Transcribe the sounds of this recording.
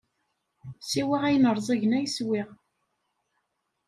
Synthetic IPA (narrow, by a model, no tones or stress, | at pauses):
siwiʁæjnəɾˤzˤæʝənæjəswiʁ